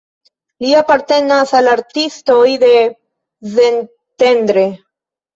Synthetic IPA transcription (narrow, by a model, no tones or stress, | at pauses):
liapaɾt̪e̞nasalaɾt̪isto̞jd̪e̞ | zen | t̪e̞nd̪ɾe̞